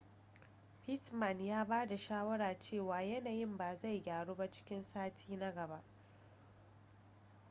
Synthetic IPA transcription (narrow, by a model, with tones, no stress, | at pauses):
ɸɪ˦tmɐ˨njaː˦baː˦da˨ʃaː˦wɐ˦ɽaː˨t͡ʃeː˦˨waː˨jɐ˦naː˨jɪ˦˨mbaː˨za˦˨jɡʲaː˨ɽoː˦ba˦t͡ʃɪ̥˦kʲɪ˦nsaː˦tʰiː˦na˦ɡɐ˨ba˦ʔ